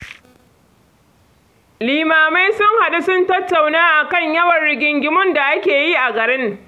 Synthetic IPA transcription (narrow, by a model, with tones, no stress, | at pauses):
liː˨maː˨ma˦jsʊ˦ŋha˨ɗu˦sʊ˦ntɐ˦tːa˨wnaː˦ʔa˨kɐ˦ɲjɐ˦wɐ˨nɽɪ˨ɡʲɪ˨ŋɡʲɪ˦mʊ˦nda˨ʔa˦kʲeː˨ji˦ʔa˨ɡɐ˨ɾɪ˦ŋ